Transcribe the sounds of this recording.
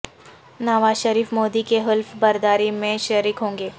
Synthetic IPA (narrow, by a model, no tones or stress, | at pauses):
naːʋaːzʃəɾiːfmoːd̪ikeɦɪlfbɐɾd̪aːɾimẽʃɐɾiːkɦõːŋɡeː